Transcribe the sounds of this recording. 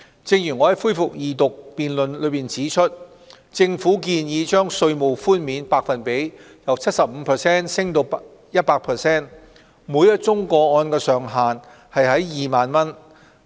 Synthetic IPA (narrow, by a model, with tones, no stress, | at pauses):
t͡sɪ˧ŋjyː˨˩ŋɔː˨˧hɐ˨˦jfuː˥jfʊ˨k̚jiː˨t̪ʊ˨k̚piː˨nlɵ˨nlɵ˨˧ɥpiː˨nt͡siː˨˥t͡ʃʰɵ˥t̚ | t͡sɪ˧ŋfuː˨˥k̬iː˧njiː˨˧t͡ʃœː˥ŋsɵ˧ɥmo˨˩wfuː˥nmiː˨˧˥npaː˧k̚fɐ˨npe˨˥j | jɐ˨wt͡sʰɐ˥t̚sɐ˨p̚m̩˨˧pʰɛ˨˩sɛː˥nsɪ˥ŋt̪o˧wp | jɐ˥t̚paː˧k̚pʰɛ˨˩sɛː˥n | muː˨˧jɐ˥t̚t͡sʊ˥ŋkɔː˧ɔː˧nkɛː˧sœː˨ŋɦaː˨n | hɐ˨jɦɐ˨˥jjiː˨maː˨nmɐ˥n